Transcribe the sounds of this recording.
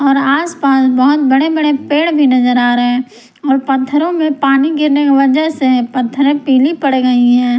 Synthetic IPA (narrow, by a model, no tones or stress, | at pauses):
ɔːɾaːspaːsbəɦʊt̪̚bəɽebəɽepeːɽbʱinɐzəɾaːɾəɦɛ̃ | ɔːɾpɐt̪ʰːəɾõmẽpaːniɡɪɾnekeʋɐd͡ʒəɦsepɐt̪ʰːəɾẽpiːlipəɽɡɐiɦɛː